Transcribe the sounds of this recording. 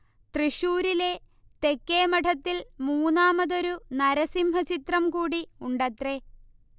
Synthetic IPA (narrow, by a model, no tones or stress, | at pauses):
t̪riɕuːɾile̞ | t̪ekːeːmɐʈʰɐt̪ːilmuːnːaːmɐðo̞ɾunɐɾɐsimhɐt͡ɕit̪rɐmkuːɽiuɳɖɐt̪re